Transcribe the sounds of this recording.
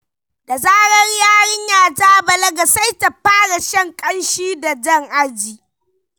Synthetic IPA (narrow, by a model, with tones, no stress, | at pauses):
da˨zaː˦ɽɐ˦rjaː˦ɽɪ˦ɲjaː˨d͡ʒaː˦bɐ˨lɐ˦ɡa˨sa˦jta˨ɸaː˦ɽa˨ʃɐ˦ŋkʼɐ˦nʃiː˦da˨d͡ʒɐ˦˨ŋʔa˦d͡ʒiː˨